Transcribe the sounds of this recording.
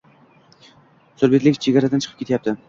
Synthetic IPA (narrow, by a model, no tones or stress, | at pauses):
soɾbet̪lɪkʲt͡ʃʰeɡʲaɾad̪ant͡ʃʰɨ̥qʰɨpkʲet̪ʰjap̚t̪ɪ